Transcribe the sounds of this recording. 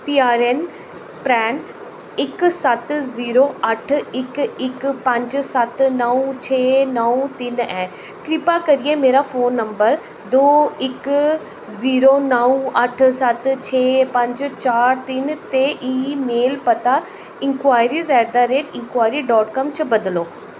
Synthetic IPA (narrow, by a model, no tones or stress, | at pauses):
piːaːɾen | pɾɛ̃ːn | ɪksɐt̪ziːɾoɐʈʰɪkɪkpɐ̃ɲd͡ʑsɐt̪nɐt͡ɕʰeːnɐwt̪ɪnɛ̃ː | kɾɪpakɐɾiẽmeːɾafoːnːɐ̃mbəɾ | d̪oːɪk | ziːɾonɐũɐʈʰsɐt̪t͡ɕʰeːpɐ̃ɲd͡ʑt͡ɕaːɾt̪int̪eʔiːmeːlpɐt̪a | ɪ̃ŋkwaːɪɾizaːɾd̪aɾeːʈɪ̃ŋkwaːɪɾiɖɔːʈkɐmt͡ɕʰɐbɐd̪ɪloː